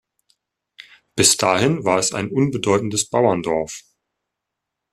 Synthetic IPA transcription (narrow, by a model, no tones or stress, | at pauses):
b̥ɪsd̥aːhɪnvaːɛsa̰ɪnʔʊnbədɔʏtn̩dəsb̥aʊɐndɔɐf